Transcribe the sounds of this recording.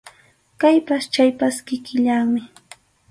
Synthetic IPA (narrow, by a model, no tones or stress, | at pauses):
kajpast͡ʃajpaskɪkɪʎaŋmɪ